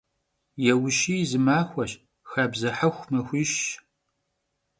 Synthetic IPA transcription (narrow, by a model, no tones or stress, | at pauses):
jɛwʊʃiːzɨmaːxʷɐɕ | xabzɐħɐxʷmɐxʷiʃ